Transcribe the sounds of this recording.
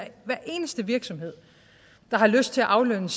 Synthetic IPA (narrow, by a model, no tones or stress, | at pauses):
ʋæɐʔe̝̰ːnəsd̥əʋiɐɡ̥sɒ̽mhe̝ð̞̰ˠ | d̥ɑ̈ɦɑ̈løsd̥̚t͡sʰe̝æʔɑ̈ʊlønəs